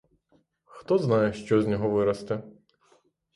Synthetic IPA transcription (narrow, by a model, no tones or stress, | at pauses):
xt̪ɔznɑjɛʃt͡ʃɔzʲnʲɔɦɔʋɪɾɐst̪ɛ